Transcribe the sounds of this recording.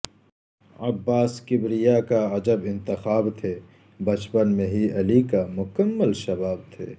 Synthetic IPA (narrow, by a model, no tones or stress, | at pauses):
ɐbːaːskɪbɾijakaɐd͡ʒəbɪ̃nt̪ɪxaːbt̪ʰeː | bɐt͡ʃpənmẽɦiɐlikamʊkəmːəlʃɐbaːb̚t̪ʰḛː